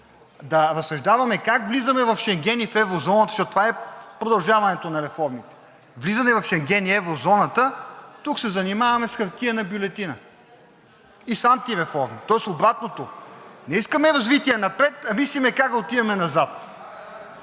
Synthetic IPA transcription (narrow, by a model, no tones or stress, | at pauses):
d̪ɐɾɐsɐʒd̪avɐmɛkakvlizɐmɛvɐfʃɛŋɡʲɛnifɛvɾozɔnɐt̪ɐ̥ʃɔt̪t̪ovaɛpɾod̪ɐlˠʒavɐnɛt̪onɐɾɛfɔɾmit̪ɛ̥ | vlizɐnɛvɐfʃɛŋɡʲɛniɛvɾozɔnɐt̪ət̪uksɛzɐnimavɐmɛsxɐɾt̪iənɐbjulɛt̪inə | isant̪iɾɛfɔɾmit̪ɔɛst̪obɾat̪not̪onɛiskəmɛɾɐzvit̪iɛnɐpɾɛt̪ɐmislimɛkak̚d̪ɐot̪ivɐmɛnɐzat̪